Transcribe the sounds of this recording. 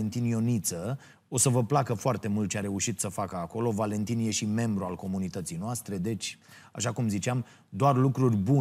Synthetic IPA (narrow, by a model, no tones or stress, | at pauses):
ent̪injo̞nit̪sə | o̞səvəplakəfoart̪e̞mult̪̚t͡ʃeaɾe̞uʃit̪səfakəako̞lo̞vale̞nt̪inje̞ʃime̞mbɾualko̞munit̪ət̪sijnoast̪ɾe̞d̪e̞t͡ʃʲ | a̰ʃakumzit͡ʃeam | d̪oarlukɾurʲbu